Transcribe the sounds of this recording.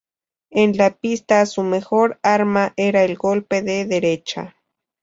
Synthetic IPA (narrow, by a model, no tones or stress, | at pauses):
enlapist̪asumexoɾaɾmaʔeɾaelɡo̞lpeðeðeɾet͡ʃa̰